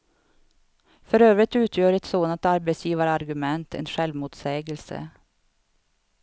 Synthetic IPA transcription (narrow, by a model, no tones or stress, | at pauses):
fɔɾøːʋɾɪt̪ʉːt̪ʰjøːɾɛt̪soːnət̪ɑɾbɛɪsjiːʋəɾəɑɾɡʉmɛnt̪ʰɛ̰ːnʃɛlʋmuːt̪seːɡəlsə̰